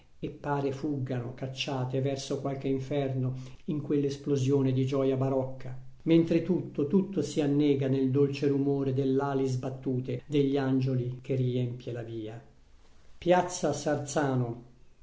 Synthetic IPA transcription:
epːaːɾefuɡːano̰kat͡ʃːaːt̪evɛrsokwalk̟eiɱfɛrnoiŋkwelːesplozjoːned̪id͡ʒɔːjabaɾɔkːament̪ɾet̪ut̪ːot̪ut̪ːosianːɛːɡaneld̪olt͡ʃeɾumoːɾed̪elːaːlizbat̪ːuːt̪ed̪eʎːiand͡ʒolik̟eriɛmpjelaviːa | pjat̪sːasart̪saːno

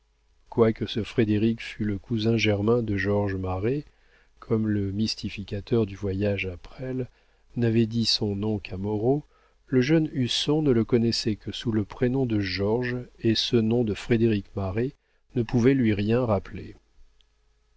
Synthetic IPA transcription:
kwakəsəfχed̪eʁikfyləkuzɛ̃ʒɛʁmɛ̃d̪əʒɔʁʒmaʁe | kʰɔmləmist̪ifikʲat̪œʁd̪yvwajaʒapχɛl | navɛd̪isɔ̃nɔ̃kʰamɔʁo | ləʒœnysɔ̃nələkɔnɛsɛkəsuləpχenɔ̃d̪əʒɔʁʒesənɔ̃d̪əfχed̪eʁikmaʁe | nəpuvɛlɥiʁjɛ̃ʁaple

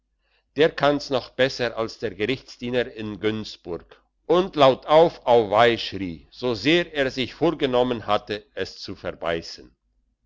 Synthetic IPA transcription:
d̥eːɐkʰansnɔχb̥ɛsəʔalsd̥eːɐɡəʁɪçt͡sd̥iːnəɪnɡʏnsb̥ʊɐk | ʔʊntlaʊtʰaʊfʔaʊvaɪʃʁiːz̥oːzeːʁeːɐzɪçfoːɐɡənɔmənhatəʔɛst͡sufɛɐba̰ɪsən̩

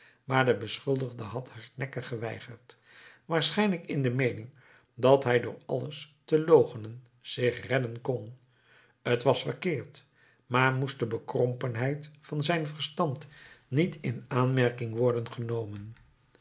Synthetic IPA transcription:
maːɹdəbəsχɵlˠdəχdəɦɑthaɹnɛkəχəʋɛ̰jχəɹt | ʋaːɹsχɛjnləkɪndəmejnɪŋ | dɑtɦɛjdʊːɹɑ̰ləstəlowχənən | z̥ɪχrɛdənkɔn | ətʋɑsfəɹkɪːɹt | maːɹmustdəbəkrɔmpənɦɛjtfɑnzɛjnvəɹstɑntnitɪnaːnmɛɹkɪŋʋɔɹdənχənowmən

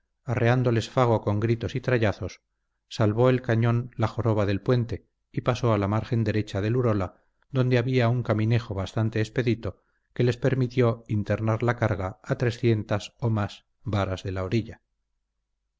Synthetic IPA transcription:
areand̪o̞le̞sfaɣ̞o̞ko̞ŋɡɾit̪o̞sit̪ɾaʎaθo̞sː | alβo̞e̞lkaɲõ̞nlaxo̞ɾo̞βaðe̞lpwe̞nt̪e̞ | ipaso̞alamaɾxe̞nd̪e̞ɾe̞t͡ʃað̞e̞luɾo̞la | ðo̞nd̪e̞aβiauŋkamĩne̞xo̞βast̪ant̪e̞ːspe̞ðit̪o̞ | ke̞le̞spe̞ɾmit̪jo̞int̪e̞ɾnaɾlakaɾɣaːt̪ɾe̞sθje̞nt̪aso̞maz | βaɾazðe̞laoɾiʎa

